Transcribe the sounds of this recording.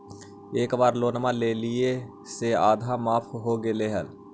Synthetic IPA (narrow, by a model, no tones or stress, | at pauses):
eːkbaːɾloːnəmãːleːlɪe | seaːd̪ʱamaːpʰɦoːɡeːleːɦəl